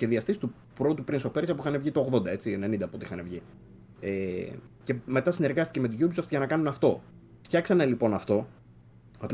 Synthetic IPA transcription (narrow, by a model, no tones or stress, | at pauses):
çeðiɐst̪ist̪u | pɾout̪upɾinsope̞ɾisɐpuixɐnevʝit̪o̞oɣðo̞nd̪ɐe̞t͡siene̞nind̪ɐːpo̞t̪ixɐnevʝi | ece̞me̞t̪ɐsine̞ɾɣɐst̪i̥ceme̞t̪uʝubisoft̪ʝɐnɐkɐnunɐft̪o̞ | ft̪çɐksɐne̞lipo̞nɐft̪o̞ | op